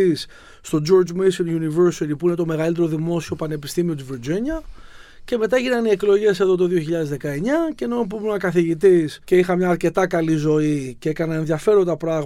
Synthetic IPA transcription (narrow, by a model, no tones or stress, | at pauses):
is | st̪o̞d͡ʒo̞ɾd͡ʒmisinjuniveɾsiɾipuine̞t̪o̞me̞ɣɐlit̪̬e̞ɾo̞ðimo̞sio̞pɐne̞pi̥st̪imio̞t̪iviɾd͡ʒiɲɐ | ce̞me̞t̪̬ɐʝinɐnie̞klo̞ʝe̞se̞ðo̞t̪o̞ðio̞çiʎɐðe̞zðe̞kɐe̞ɲɐce̞nop̬umunɐkɐθiʝit̪̬isce̞ixɐmɲɐːɾce̞t̪ɐkɐlizo̞iceekɐnɐenðiɐfe̞ɾo̞nd̪ɐpɾɐɣ